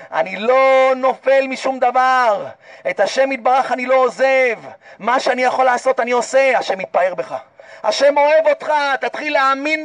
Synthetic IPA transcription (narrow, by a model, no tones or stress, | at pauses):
a̰nilo̞no̞fe̞lmiʃumd̪avaʁe̞t̪haʃe̞mit̪̚baʁaχanilo̞ozevmaʃeanijaχo̞laːso̞t̪anio̞seaʃe̞mit̪̚pae̞ʁbe̞χaa̰ʃe̞mo̞e̞vo̞t̪χat̪at̪χileamin